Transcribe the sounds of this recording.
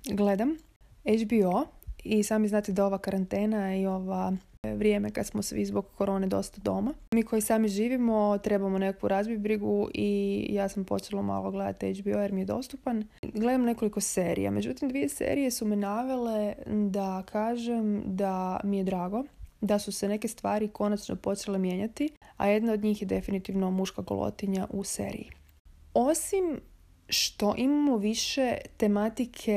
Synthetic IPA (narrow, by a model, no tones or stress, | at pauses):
ɡle̞d̪am | ed͡ʒbioisaːmiznaːt̪id̪ao̞ʋakaɾant̪e̞ːnaio̞ʋaʋɾje̞me̞kad̪smosʋḭzboɡkːo̞ɾo̞ːne̞d̪o̞̰st̪ad̪o̞mamiːkʰo̞jisaːmiʒiːʋimo̞t̪ɾe̞bamonekakʋuɾazbibɾiɡuʔijaːsampo̞t͡ʃelˠoma̰lˠoɡle̞d̪a̰t̪ejd͡ʒbiojeɾmije̞d̪o̞̰st̪upanɡle̞d̪amne̞ko̞liko̞se̞ːɾḭja̰me̞d͡ʑut̪imd̪ʋije̞sḛːɾije̞sumenaʋe̞led̪akʰaːʒemd̪amije̞d̪ɾaːɡo̞d̪asuse̞ne̞kest̪ʋaːɾikʰo̞nat͡ʃno̰po̞t͡ʃelemje̞ɲat̪ia̰je̞d̪naod̪ɲiːxjed̪e̞finit̪iʋno̞muʃkaɡo̰lˠo̞̰t̪iɲaʔusḛːɾḭji | o̞sim | ʃt̪o̞ʔimamoʋiʃet̪e̞mat̪ikʰe̞